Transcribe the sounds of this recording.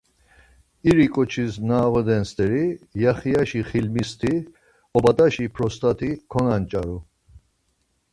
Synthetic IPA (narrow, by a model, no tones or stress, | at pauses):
iɾikʼɔt͡ʃʰisnaːʁɔd̪ɛnst̪ʼɛɾijaχiaʃiχilmist̪ʰi | ɔbad̪aʃipʰɾɔst̪ʰʼat̪ʰikʰɔnant͡ʃʼaɾu